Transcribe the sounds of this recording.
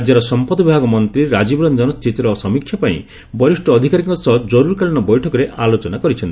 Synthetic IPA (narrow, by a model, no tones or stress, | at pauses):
d͡ʒjaɾɔsɔmpɔd̪ɔbibʱaɡɔmɔnt̪ɾiɾad͡ʒibɾɔnd͡ʒɔnɔst̪ʰit̪iɾɔsɔmikʰjɔpaḭ̃ | bɔɾisʈɔːd̪ʱikaɾiŋkɔsɔd͡ʒɔɾuɾkaɭinɔbɔjʈʰɔkɔɾeʔalot͡ʃɔnakɔɾit͡ʃʰɔnt̪i